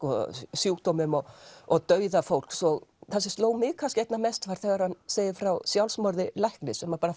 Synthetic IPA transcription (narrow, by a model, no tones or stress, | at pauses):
kɔsjuːkt̪ɔmʏmɔɔɣt̪œːɥðafowl̥ksɔɣθas̬ːɪst̪loːwmɪːkʰascɛjt̪namɛst̪faɾ̥θɛːɣaɾhanseːjðɪfɾawsjawlsmɔɾðɪlajhknɪsɛmapaːɾa